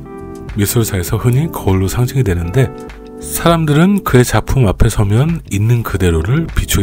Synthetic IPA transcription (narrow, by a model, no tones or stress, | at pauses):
mis͈ʰoɭsʰae̞sʰʌhɯɲikʌɭːosʰaŋd͡ʑʰiŋidwenɯnde̞ | sʰaɾamdɯɾɯnkɯe̞t͡ɕapʰumapʰe̞sʰʌmjʌninːɯnkɯde̞ɾoɾɯɭpit͡ɕʰuɡe